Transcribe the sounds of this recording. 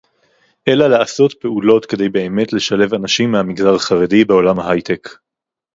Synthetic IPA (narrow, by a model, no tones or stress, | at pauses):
ʔe̞laleaso̞tpe̞ulo̞t̪ke̞d̪e̞jbe̞ːme̞tle̞ʃale̞vanaʃimːehamiɡzaʁaχaʁedibe̞o̞lamhaɦajt̪ek